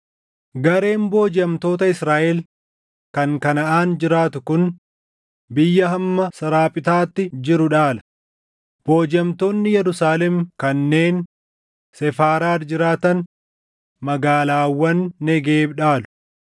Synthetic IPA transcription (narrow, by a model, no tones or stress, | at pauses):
ɡɐɾe̞ːnbo̞ːd͡ʒɐmt̪o̞ːt̪ɐɪsɾaːʔɛl | kɐŋkɐnɐʔaːnd͡ʒɪɾaːt̪ʊkʊn | bɪjːɐɦɐmːɐsɐɾaːpʼɪt̪aːt̪ːɪd͡ʒɪɾʊᶑaːlɐ̥ | b̥oːd͡ʒɐmt̪oːnːɪjɛɾʊsaːlɛmkɐnːe̞ːn | sɛfaːɾaːɾd͡ʒɪɾaːt̪ɐn | mɐɡaːlaːwːɐnːɛɡeːbᶑaːlʊ̥